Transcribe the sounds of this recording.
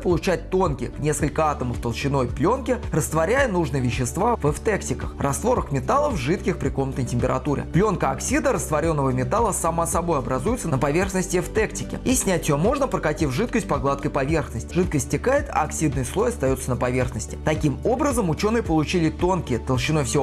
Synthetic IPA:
pəlˠʊt͡ɕæt̚ʲt̪o̞nkʲɪknʲe̞skəlʲkəat̪əməft̪əlˠɕːɪno̞jplʲo̞nkʲɪrəst̪vɐɾʲæjənuʐnɨjvʲɪɕːɪst̪vavɛft̪ɛktʲɪkəxrɐst̪vo̞ɾəxmʲɪt̪alˠəvʐɨt̪kʲɪxpɾʲɪko̞mnət̪əjtʲɪmʲpʲɪɾɐ̰t̪uɾʲɪ̰plʲo̞nkəɐksʲid̪əɾəst̪vɐɾʲo̞nːəvəmʲɪt̪alˠəsɐmasɐbo̞jɐbɾɐzujɪt̪sənəpɐvʲe̞rxnəsʲtʲɪft̪ɛktʲɪkʲɪ̰isʲnʲætʲɪjomo̞ʐnəpɾəkɐtʲivʐɨt̪̚kəsʲt̚ʲpɐɡlˠat̪̚kəjpɐvʲe̞rxnəsʲtʲɪʐɨt̪̚kəsʲtʲːɪkajɪt̪ɐ̰ːksʲid̪̚nəjslˠo̞jɐst̪ɐjo̞t̪sənəpɐvʲe̞rxnəsʲtʲɪ̥t̪ɐkʲimo̞bɾəzəmʊt͡ɕo̞nɨjəpəlˠʊt͡ɕilʲɪt̪o̞nkʲɪjət̪əlˠɕɪno̞jfsʲo

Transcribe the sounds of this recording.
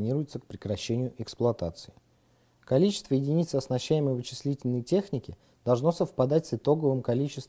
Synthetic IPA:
nʲiɾʊjɪt̪sək̚pɾʲɪkɾɐɕːenʲɪjʊʔɪksplˠʊɐt̪at̪sɨɪ | kɐlʲit͡ɕɪ̥st̪vəjɪdʲɪnʲit̪səɐsnɐɕːæjɪməjvɨt͡ɕɪ̥sʲlʲitʲɪlʲnəjtʲe̞xnʲɪkʲɪ | d̪̥ɐlˠʐno̞səfpɐd̪atʲsɨt̪o̞ɡəvɨmkɐlʲit͡ɕɪ̥st̪

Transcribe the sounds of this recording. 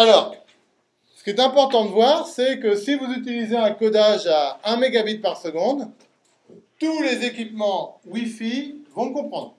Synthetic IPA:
alɔːʁ | sə̥kʲiɛt̪ɛ̃pɔʁt̪ɑ̃d̪əvwaʁsɛkəsivuzyt̪ilizeɛ̃kɔd̪aʒaɛ̃meɡabit̪̚paʁsəɡɔ̃d̪ | t̪ulezekʲipmɑ̃wifivɔ̃kɔ̃pχɑ̃d̪ʁ

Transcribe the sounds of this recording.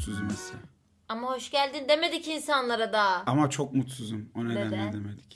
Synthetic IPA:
suzumesɛ | amaho̞ʃɟælʲd̪ind̪e̞me̞d̪icinsanlˠaɾad̪aamat͡ʃʰo̞k̚mut̪suzumoned̪ænːɛd̪emed̪ic

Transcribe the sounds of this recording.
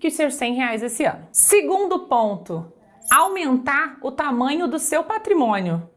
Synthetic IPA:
kɪseɾsẽj̃ɦeajzd̪esɪɐ̰̃nʊsɪɡũnd̪ʊpõnt̪ʊ | awmẽnt̪aɾʊt̪amɐ̃ɲʊd̪ʊsewpat̪ɾimõnjʊ

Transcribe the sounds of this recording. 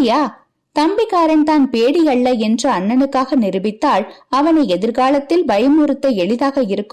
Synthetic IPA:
jaː | t̪ɐmbɪkaːɾɐnt̪aːnpeːɽɪjɐɭːɐɛndrɯɐnːɐnɯkːaːɣɐnɪɾɯbɪt̪ːaːɭɐʋɐnɐɪɛðɪɾɣaːɭɐt̪ːɪlbɐjɐmuɾɯt̪ːɐɛɭɪðaːɣɐɪɾɯkː

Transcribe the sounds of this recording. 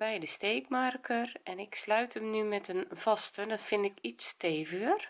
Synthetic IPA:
bɛjdəsteːkmarkʰərɛnɪkslœɥtʰəmnymɛtənvɔstədɔtfɪndɪkitsteːvəɣər

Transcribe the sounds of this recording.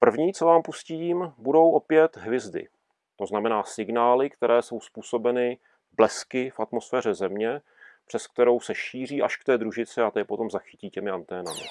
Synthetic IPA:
pr̩vɲiːt͡sovaːmpusciːmbudo̞wʔo̞pjɛt̪ɦvjɪzdɪ̰ | t̪o̞znamɛnaːsɪɡnaːlɪkt̪ɛɾɛːso̞wspuːso̞bɛnɪ | blɛskɪfʔat̪mo̞sfɛːr̝ɛzɛmɲɛ | pr̝̥ɛsk̚t̪ɛɾo̞wsɛʃiːr̝iːʔaʃkt̪ɛːd̪ɾuʒɪt͡sɪat̪ɛc̚po̞t̪o̞mzaxɪ̥ciːcɛmɪant̪ɛːnamɪ̰

